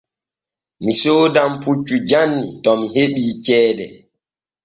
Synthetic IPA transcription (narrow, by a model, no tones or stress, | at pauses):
misoːdamput͡ʃːud͡ʒanːitɔmiɦeɓiːt͡ʃɛːdɛ̰